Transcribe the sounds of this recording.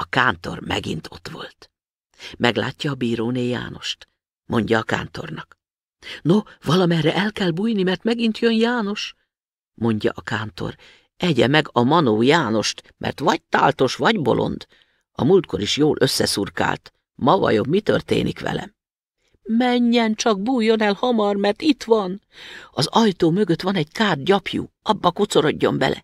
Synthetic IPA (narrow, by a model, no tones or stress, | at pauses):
ɒkaːnt̪o̞̰rmɛ̰ɡḭnt̪ʰo̞t̪ʋo̞̰lt̪ | mɛɡlaːcːɒːbiːɾoːneːja̰ːno̞ʃt̪ | mʔo̞ɲɟɒːka̰ːnt̪o̞rnɒk | novɒlɒmɛrːɛʔɛlkɛlbuːjnimɛrt̪mɛɡint̪jønjaːno̞ʃ | mo̞ɲɟɒ̰ʔɒkaːnt̪o̞̰r | ɛɟɛmɛɡɒmɒnoːjaːno̞ʃt̪mʔɛ̰rt̪ʋɒɟ̚t̪a̰ːlt̪o̞ʃʋɒɟbo̞̰lʔo̞̰nd̪̥ | ɒ̰mult̪̚ko̞ɾiʃjoːlʔø̞sːɛsurka̰ːlt̪ | mɒvɒ̰jo̞bmit̪ø̰rt̪ḛːnikʋɛ̰lɛ̰ | mɛɲːɛnt͡ʃɒɡ̚buːjːo̞nɛlhɒmɒrmɛrt̪it̪ʋɒn | ɒzɒjt̪oːmø̞ɡø̞t̪ʋɒnɛɟkaːd̪̚ɟɒpjṵɒbːɒkut̪so̞ɾo̞ɟːo̞mbɛ̰lʔɛ̰